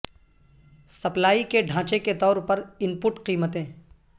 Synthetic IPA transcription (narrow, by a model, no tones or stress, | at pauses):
sɐplaːikeɖʱãːt͡ʃeket̪ɔːɾpɐɾɪmpʊʈqiːmət̪ẽː